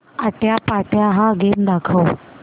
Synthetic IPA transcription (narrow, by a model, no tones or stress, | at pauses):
aʈjapaʈjaɦãɡemd̪akʰəw